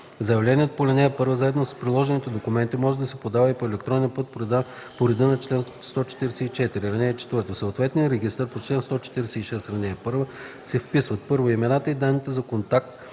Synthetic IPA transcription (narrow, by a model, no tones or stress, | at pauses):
zɐjɐvlɛniət̪opolʲɐnɛːpɤɾvəzaɛd̪nosspɾilˠɔʒɛnit̪ɛd̪okʊmɛnt̪imɔʒɛd̪ɐsɛpod̪avəipoɛlɛkt̪ɾɔnɛnpɤt̪̚poɾɛd̪ɤnɐt͡ʃlɛnsst̪ɔt͡ʃɛ̥t̪iɾɛsɛit͡ʃɛt̪iɾiɾɛnɛːt͡ʃɛ̥t̪vɤɾt̪osəoːt̪vɛt̪nijəɾɛɡʲist̪əɾpot͡ʃlɛnst̪ɔt͡ʃɛ̥t̪iɾɛsɛiʃɛsɾɐnɛːpɤɾvəsɛfpisvət̪̚pɤɾvoimɛnat̪əid̪anːit̪ɛzɐkont̪ak̚t̪